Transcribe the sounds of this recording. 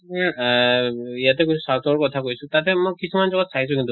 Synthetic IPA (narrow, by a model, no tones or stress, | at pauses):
aijat̪ekojsusat̪ʰɔɔɹkɔtʰakojsutat̪ɛmɔkisʰumanzɔɡɔt̪sʰais̬ukit̪d̪